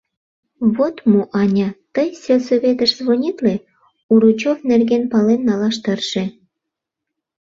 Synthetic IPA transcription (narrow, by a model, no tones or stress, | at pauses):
βot̪muʔɑnʲɑt̪əjsʲelsoβʲet̪əʃzβonʲit̪le | uɾut͡ɕofnerɣenpɑlenːɑlɑʃt̪ərʃe